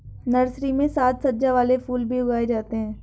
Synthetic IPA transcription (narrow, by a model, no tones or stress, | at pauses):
nɐɾsɾimẽsaːt̪sɐd͡ʒaʋaːlefuːlbʱiʊɡaːed͡ʒaːt̪eɦɛ̃ː